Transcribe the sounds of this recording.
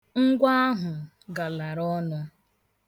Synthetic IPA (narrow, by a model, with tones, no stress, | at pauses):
ŋ̩˦ɡʷa˦a˦ɦʊ˨ | ɡa˨la˨ɾɔ˦nʊ˦